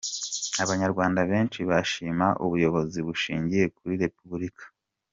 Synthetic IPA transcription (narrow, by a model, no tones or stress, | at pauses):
aβaɲaɾɡwaːndaβe̞ːnt͡ʃiβaʃiːmaʔuβujo̞βo̞ziβuʃiːɲɟije̞kuɾiɾe̞puβuɾikḁ